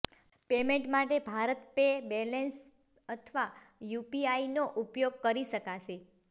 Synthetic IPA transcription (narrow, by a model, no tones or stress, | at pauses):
pemẽɳʈmaʈebʱaɾət̪pebɛlens | ət̪ʰʋa | jupiainoʔupjoɡ̚kəɾiʃəkat͡ʃʰe